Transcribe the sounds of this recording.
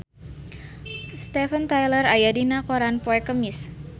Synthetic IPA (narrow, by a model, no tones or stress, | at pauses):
st̪ɛfənt̪ajlərajadinakoɾanpɔɛkəmɪs